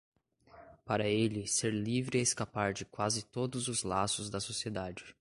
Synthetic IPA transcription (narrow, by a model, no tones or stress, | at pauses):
paɾɐelɪseɾlivɾɪeskapaɾd͡ʒɪkwazɪt̪od̪ʊzʊzlasʊzd̪ɐsosied̪ad͡ʒɪ